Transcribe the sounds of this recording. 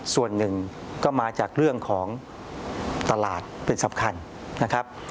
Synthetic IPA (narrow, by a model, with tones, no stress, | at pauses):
su˨˩ənːɯ˨˩ŋ | kɔː˥˩maː˧t͡ɕaː˨˩k̚ɾɯ˥˩əŋkʰɔː˩˦ŋ | t̪a˧laː˨˩t̪̚pe˧nsa˩˦mkʰa˧n | nːa˦˥kʰa˦˥p̚